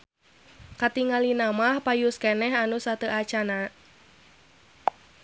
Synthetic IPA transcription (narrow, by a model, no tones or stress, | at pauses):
kat̪iŋalinamahpajuskɛnɛɦanusat̪əʔat͡ʃana